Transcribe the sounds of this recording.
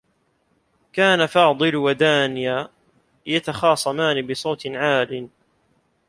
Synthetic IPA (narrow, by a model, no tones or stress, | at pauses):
kaːnafɑːd̪ˤɨlwad̪aːnɪjaː | jat̪axɑːsˤɑmaːnɪbɪsˤoːt̪nʕaːlɪn